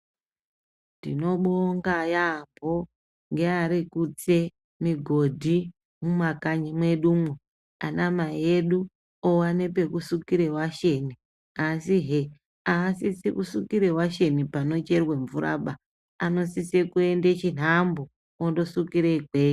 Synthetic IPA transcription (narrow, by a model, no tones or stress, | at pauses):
ndḭno̞ɓoŋɡajambʱo | ŋɡeaɾikut͡se̞ | miɡʱo̞dʱi | mumakaɲimwe̞ɗuːmwe | a̰namajeɗu | owane̞pe̞kusukiɾe̞waʃe̞ni | asiɦe | aːsisikusukiɾe̞waʃe̞nipano̞t͡ʃe̞rweɱvuɾa̰ɓa | ano̞sisekue̞ndet͡ʃin̤ambo | ondo̞sukiɾekweːji